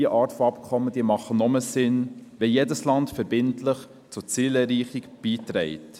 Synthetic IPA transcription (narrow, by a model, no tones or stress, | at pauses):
əʔɑːɾtfoɑpkʰɔmːəd̥iːəmɑχənɔməsɪnʋɛjedəslɑntfəɾbɪntləχ | t͡sʊt͡siːlɛɾiːχikb̥iːtɾɛɪt